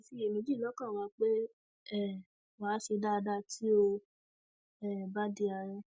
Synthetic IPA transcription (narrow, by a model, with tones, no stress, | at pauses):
si˧˦e˨mĩ˨˧˦d͡ʒi˦˨lɔ˦kã˦˨wa˧k͡pe˦ | ɛ˦˨ | wa˨˦ʃe˧da˦˧da˦tʰi˦o˧ | ɛ˦˨ba˦di˧˦a˧ɾɛ̃˧